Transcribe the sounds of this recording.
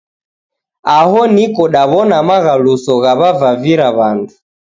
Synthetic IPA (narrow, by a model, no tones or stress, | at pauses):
ahɔnikɔɗaβɔnamaɣalusɔɣaβavaviɾaβandu